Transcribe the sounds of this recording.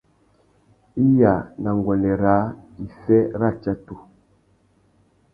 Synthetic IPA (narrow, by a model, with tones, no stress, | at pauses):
i˦ja˨na˨ŋɡwɔ˨nɛ˨ɾaː˨˦i˨fɛ˦ɾa˦˨t͡ʃa˦tu˨